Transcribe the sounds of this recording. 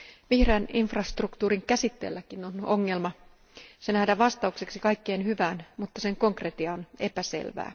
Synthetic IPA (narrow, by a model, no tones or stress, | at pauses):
ʋihreːniɱfrɑst̪rukt̪uːɾiŋkæsit̪ːḛlːækinonoŋːe̞lmɑ | se̞næhdæʋɑst̪ɑukse̞ksikɑjkːe̞ːnhyʋæːnmut̪ːɑse̞ŋko̞ŋkret̪iɑone̞pæse̞̰lʋæ̰ː